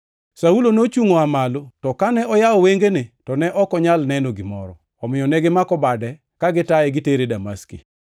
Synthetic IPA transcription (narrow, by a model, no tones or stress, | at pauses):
saulonot͡ʃuŋoamalotɔkanɛɔjaɔweŋɡenetɔnɛʔɔkɔɲalnɛnoɡɪmɔ̰ɾɔ̰ːmɪjɔnɛɡɪmakɔbadɛ | kaɡɪtaɛɡɪteɾedama̰skḭ